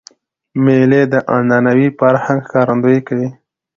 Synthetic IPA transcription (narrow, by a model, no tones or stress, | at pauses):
meled̪əʔanɑnawifaɾhãŋɡxkɑɾand̪ojekawi